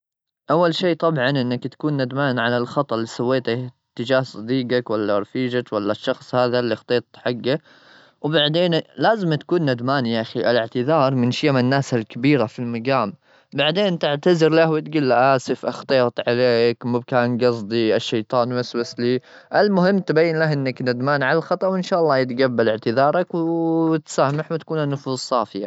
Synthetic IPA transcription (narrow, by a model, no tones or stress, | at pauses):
ʔawːalʃiːʔt̪ˤɑbʕɑnʔɪnːakt̪ḁkuːnːad̪maːnʕalalxɑt̪ˤɑʔlːiːsawːeːt̪a | t̪ːɪd͡ʒaːhsˤɑd̪iːqɑkwalːaɾˤfiːd͡ʒakwalːaʃːɑxsˤhaːðalːixt̪ˤeːt̪ˤħaɡːa | wbaʕd̪eːnlaːzɪmt̪ḁkuːnːad̪maːnjaʔxiʔɪlɪʕt̪ɪðɑːɾˤmɪnʃiːmanːaːsalkabiːɾafilmaɡaːm | baʕd̪eːnt̪ɪʕt̪azɪɾlahwɪt̪ɡuːlːaʔaːsɪfʔɑxt̪ˤeːt̪ˤʕaleːkmʊb̚kaːnɡɑsˤd̪ˤiaʃːejt̪ˤɑːnwaswasliʔalmʊɦɪmːt̪bajːɪnlaɦʔɪnːaknad̪maːnʕalalxɑt̪ˤɑwɪnʃaːʔɑlˤːɑːjɪt̪ɡabːalɪʕt̪ɪðɑːɾˤɑkwt̪saːmaħwt̪ḁkuːnanːʊfuːzˤsˤɑːfɪja̰